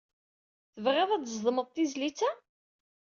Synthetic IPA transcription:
θəvʁeðˤæd̪zˤðˤəməðˤt̪izlit͡sːæ

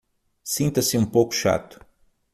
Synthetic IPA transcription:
sĩnt̪ɐsiũpowku̥ʃa̰t̪u̥

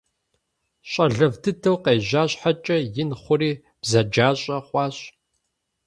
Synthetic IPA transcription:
ɕʼɐɮɐvtʰɨtʰɐwqeːʑaːɕħat͡ʃʼɐjɪnχʷʊriː | b̥zɐd͡ʒaːɕʼɐχʷɑːɕʼ

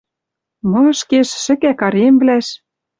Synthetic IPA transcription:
moʃkeʃːɘ̆kækɑɾemβlæʃ

